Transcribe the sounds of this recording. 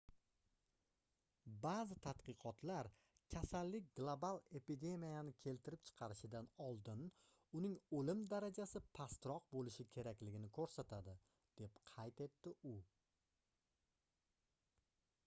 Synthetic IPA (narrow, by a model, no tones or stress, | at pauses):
bazɪt̪ʰat̪qɨqʰɒt̪laɾ | kʲʰasalːɪk̚ʲɡlˠobalˠe̞pid̪e̞mijanɪkʲʰe̞lt̪ʰɪɾɪp̚t͡ʃʰɨ̥qʰɑɾɪʃɪd̪anɒlˠd̪ɪn | ʊnɪŋɵlɪmd̪aɾad͡ʒasɪpʰast̪ɾɒqbolɪʃɪkʲʰe̞ɾakʲlɪɡʲɪnɪkʰɵɾsat̪ʰad̪ɪ | d̪̥e̞pqʰɑjt̪e̞t̪ːɪʊ